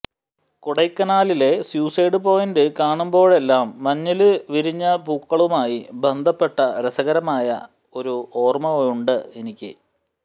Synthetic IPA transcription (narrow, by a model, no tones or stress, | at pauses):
kuɽɐjkːɐnaːlile̞sjuːseːɽɨpo̞ːjindɨkaːɳumbo̞ːɭe̞lːaːmːɐɲːɐlɨʋiɾiɲːɐbukːɐɭumaːjibe̞nd̪ʱɐpːe̞ʈːɐɾesɐɣɐɾɐmaːjɐ̰ | o̞ɾuo̞ːrmɐjuɳɖɨenikʲːɨ̰